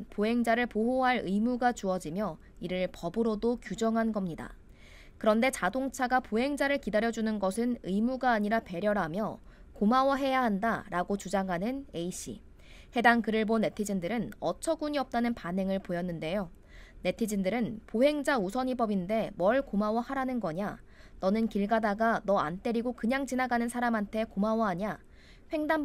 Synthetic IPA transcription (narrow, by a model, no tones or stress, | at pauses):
poɦe̞ŋd͡ʑaɾɯɭpoɦoɦaɭɯimuɡat͡ɕuʌd͡ʑimjʌ | iɾɯɭpʌbɯɾodokjud͡ʑʌŋɦanɡʌmɲida̰ | kɯɾʌnde̞t͡ɕadoŋt͡ɕʰaɡapoɦe̞ŋd͡ʑaɾɯɭkidaɾjʌd͡ʑunɯnɡʌsʰɯnɯimuɡaːɲiɾape̞ɾjʌɾamjʌ | komawʌɦe̞jaɦandaɾaɡot͡ɕud͡ʑaŋɦanɯne̞iɕ͈ʰḭ | he̞daŋkɯɾɯɭbone̞tʰid͡ʑindɯɾɯnʌt͡ɕʰʌɡuɲiʌp̚t͈anɯnpanɦe̞ŋɯɭpojʌnːɯnde̞jo | ne̞tʰid͡ʑindɯɾɯnpoɦe̞ŋd͡ʑausʰʌɲibʌbinde̞mʌɭkomawʌhaɾanɯnɡʌɲa | nʌnɯnkiɭɡadaɡanʌa̰nt͈e̞ɾiɡokɯɲaŋt͡ɕinaɡanɯnsʰaɾamɦantʰe̞komawʌɦaɲa | ɸwe̞ŋdam